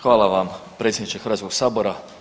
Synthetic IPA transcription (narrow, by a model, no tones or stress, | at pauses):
xʋaːlˠaʋampɾe̞t̪sʲjed̪nit͡ʃexɾʋaːsko̞ɡsaːboɾa